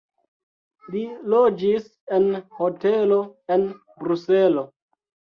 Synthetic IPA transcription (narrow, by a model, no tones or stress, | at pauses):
lilod͡ʒis | enhoteloen | bɾuselo